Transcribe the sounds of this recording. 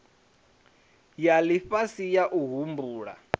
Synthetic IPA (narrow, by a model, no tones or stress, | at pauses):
jaliɸasijaʔuɦumbuːɺa̰